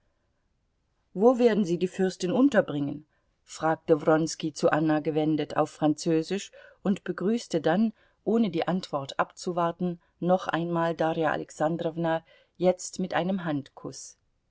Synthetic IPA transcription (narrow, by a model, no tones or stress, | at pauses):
voːveːɐdn̩ziːdiːfʏɐstɪnʔʊntɐbʁɪŋən | fʁ̥aːk̚təvʁɔnskit͡suʔanaɡəvɛndəta̰ʊfʁ̥ant͡søːzɪʃʊntb̥əɡʁyːstədan | ʔoːnədiːʔantv̥ɔɐtʔapt͡suvaɐtn̩ː | ɔχʔa̰ɪnmaːldaːʁjaʔa̰lɛksandʁɔvna | jɛt͡stmɪtʔaɪnəmɦantkʰʊs